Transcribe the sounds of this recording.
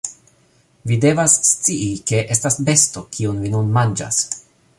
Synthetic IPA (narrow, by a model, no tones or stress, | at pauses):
vide̞vasːt͡siike̞ʔe̞stasbe̞stokʰiunvinunmand͡ʒa̰s